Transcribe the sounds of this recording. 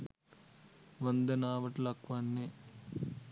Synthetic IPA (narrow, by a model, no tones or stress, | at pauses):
ʋɐnd̪ɐnaːʋɐʈlɐkʋanːe